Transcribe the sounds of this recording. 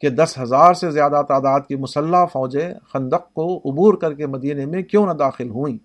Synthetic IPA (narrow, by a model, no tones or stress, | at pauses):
ked̪ɐsɦɐzaːɾsezjaːd̪at̪aːd̪aːd̪̚kimʊsəlːafɔːd͡ʒexɐ̃nd̪əq̚ːoʊbuːɾkɐɾkemɐd̪iːnemẽkjõnad̪aːxɪlɦuĩː